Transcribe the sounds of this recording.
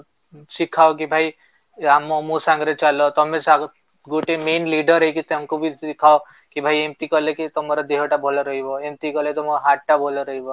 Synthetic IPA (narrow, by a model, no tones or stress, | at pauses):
sikʰːaok̬ibʱai | amɔmusaŋɡɾet͡ʃalɔt̪ɔmesa | ɡoʈemenliɖɔɾɦejkit̪emkubʱisikʰao | kibʱajemt̪ikɔlekit̪ɔmɔɾɔd̪eɦɔʈabʱɔlɔɾɔɦibɔemt̪ikɔlet̪ɔmɔɦaʈʈabʱɔlɔɾɔɦibɔ